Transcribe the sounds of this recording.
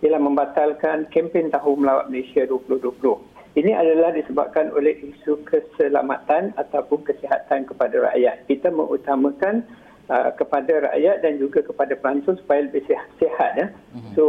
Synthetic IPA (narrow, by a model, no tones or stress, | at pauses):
alahmə̃mbat̪alkankɛmpɛnt̪aɦʊŋməlawa̰t̪̚məlesiaduəpulʊhduəpulʊh | inĩʔa̰dalahdisəba̰p̚kano̰lɛhisukʰəsəla̰mat̪anat̪awpʊnkəsiɦat̪ankəpadaɾa̰ʔja̰t̪̚kit̪amə̰ŋʔṵt̪amãkan | əkəpadaɾa̰ʔjat̪̚dand͡ʒuɡakəpadapəlaɲt͡ʃʊnsu̥pajaləbɪhsihat̪̚ja | so